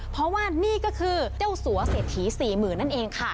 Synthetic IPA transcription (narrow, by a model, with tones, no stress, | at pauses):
pʰɾɔ˦˥waː˥˩niː˥˩kɔː˥˩kʰɯː˧t͡ɕa˥˩wsu˩˦ɐseː˨˩t̪̚ʰiː˩˦siː˨˩mɯː˨˩nːa˥˩nʔeː˧ŋkʰa˥˩